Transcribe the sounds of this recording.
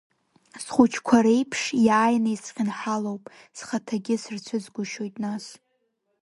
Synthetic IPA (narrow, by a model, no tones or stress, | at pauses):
sχʷʊt͡ʃʰkʷʰaɾejpʰʂjaːjnajsqʲɪnħalowpʼ | sχatʰaɡʲɪsɨrt͡ɕʷʰʊzɡʷʊʃo̞jtʼnas